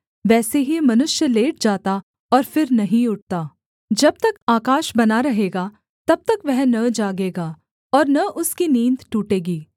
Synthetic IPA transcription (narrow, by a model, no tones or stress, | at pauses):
ʋɛːseɦimɐnʊʃjəleːʈ̚d͡ʒaːt̪a | ɔːɾfɪɾnɐɦĩʊʈ̚t̪aː | d͡ʒɐb̚t̪ɐkaːkaːʃbɐnaɾɐɦeːɡa | t̪ɐb̚t̪ɐkʋɛɦnɐd͡ʒaːɡeːɡaː | ɔːɾnɐʔʊskinĩːnd̪ʈuːʈeːɡiː